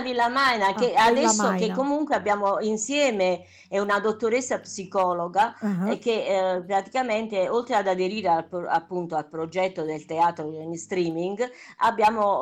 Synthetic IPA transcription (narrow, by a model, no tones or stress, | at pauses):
vilːamajnakead̪ɛsːokekːomuŋkweabːjaːmoinsjɛːme | ɛunad̪ot̪ːoɾesːapsikɔːloɡak̟epɾat̪i̥kamɛnt̪eolt̪ɾead̪ad̪eɾiːɾeala̰pːunt̪oalpɾod͡ʒɛt̪ːod̪elt̪eaːt̪ɾod̪enst̪ɾiːmiŋɡa̰bːjaːmo